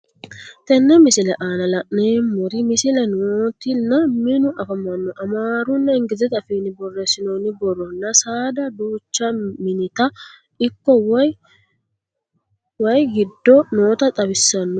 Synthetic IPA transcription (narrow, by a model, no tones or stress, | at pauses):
t̪ɛnːɛmɪsɪlɛʔaːnɐlɐʔneːmːɔɾɪmɪsɪlɛnoːt̪ɪnːɐmɪnʊʔɐfɐmɐnːɔʔɐmaːɾʊnːɐɪŋɡɪzɛt̪ɐfiːnɪbɔrːɛsɪnonɪbɔrːɔnːɐsaːd̪ɐd̪uːt͡ʃːɐmɪnɪt̪ɐ | ɪkːɔw | wɐjɡɪd̪ːɔnoːt̪ɐt̪ʼɐbɪsːɐnːɔ